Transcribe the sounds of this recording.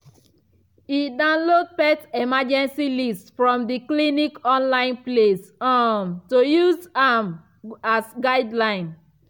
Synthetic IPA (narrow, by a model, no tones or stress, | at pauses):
idãʊ̃nlod̚pɛtemad͡ʒɛ̃nsilistfɹɔ̃mdiklinikɔ̃nlãɪ̃nplesamtojuzam | asɡaɪdlãɪ̃n